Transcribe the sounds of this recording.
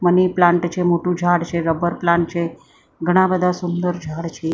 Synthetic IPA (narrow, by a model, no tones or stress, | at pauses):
məniplãɳʈt͡ʃʰemoʈũd͡ʒʱaɽt͡ʃʰeɾəbəɾplãɳʈ̚t͡ʃʰe | ɡʱəɽ̃ãbəd̪ʱasʊnd̪əɾd͡ʒʱaɽt͡ʃʰe